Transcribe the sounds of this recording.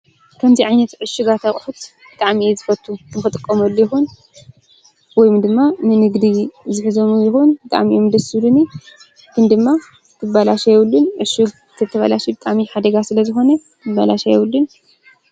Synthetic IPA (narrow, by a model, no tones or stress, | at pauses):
kʰɐmziʕajnɐt̪ʕɨʃːuɡat̪ʰakʼħut̪ | b̥ɨt̪ʼaʕmiezɨfɐt̪ʰːukʰɨnkʰɐt̪ʼɨkʼːɐmɐlːjɪxun | wɔjmd̪ɨmːanɨnɨɡd̪izɨħɨzomujɪxunbɨt̪ʼa̰ʕmiʔomd̪ɐsɨluni | kʰɨnd̪ɨmːa | kʰɨbalaʃajɛwulːunʕɨʃuɡ | t̪ʰɐt̪ʰɐβalaʃibɨt̪ʼaʕmiħad̪ɐɡasɨlɐzɨxo̞nɐ | ɨbalaʃajɛwlːun